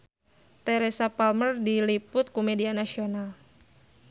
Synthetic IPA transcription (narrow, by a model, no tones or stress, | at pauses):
t̪ɛɾesapalmərdilipʊt̪̚kumedianasional